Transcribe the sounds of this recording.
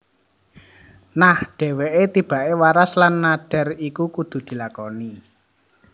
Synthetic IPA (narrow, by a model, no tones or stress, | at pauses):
nahɖ̥e̤weʔet̪ib̥a̤ʔewaɾaslanːaɖ̥ɛ̤rikukud̪̥ṳd̪̥i̤lakɔni